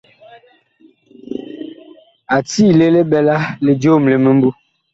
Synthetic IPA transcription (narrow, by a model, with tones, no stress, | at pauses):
a˨tiː˦˨le˦le˦bɛ˨la˦le˨d͡ʒoː˦˨mle˨mə˨m̩˦bu˦